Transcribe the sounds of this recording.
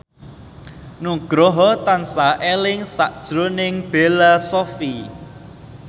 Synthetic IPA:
nuɡ̥ɾɔɦɔt̪ansaʔelɪŋsaʔd̥ʒ̥ɾonɪŋb̥elasɔfi

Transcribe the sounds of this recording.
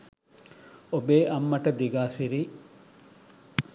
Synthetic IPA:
obeːʔɐmːɐʈɐd̪iɡaːsiɾi

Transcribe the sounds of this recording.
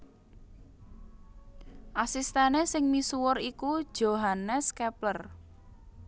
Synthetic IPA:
ʔasist̪ɛnesɪŋmisuwʊrikud̥ʒ̥oɦanɛskɛplər

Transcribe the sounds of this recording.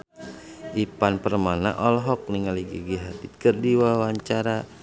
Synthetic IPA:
ʔipanpərmana̰ʔɔlɦɔk̚niŋaliɡiɡiɦat̪it̪̚kərdiwawaɲt͡ʃaɾa

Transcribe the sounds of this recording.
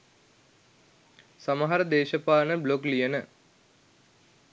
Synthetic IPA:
samɐɦɐɾəd̪eːʃɐpaːnəbloklijənə

